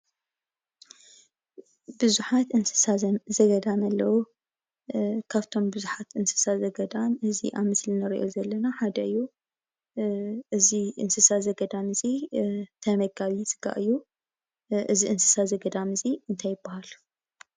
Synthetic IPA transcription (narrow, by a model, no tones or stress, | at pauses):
bɨzuħat̪ʔɨnsɨ̥sazɐɡɐd̪amɐlːɐwu | kʰaβt̪ʰo̞mbɨzuħat̪ʔɨnsɨ̥sazɐɡɐd̪amɨzḭʔaβmɨslinɐɾḭʔo̞zɐlːɐnaħad̪ɐɨjːu | ʔɨziʔɨ̰nsɨsazɐɡɐd̪amɨzit̪ʰɐmɐɡaβisʼɨɡa̰ʔɨjːu | ʔɨziʔɨnsɨ̥sazɐɡɐd̪amɨziɨnt̪ʰajːɪbːahal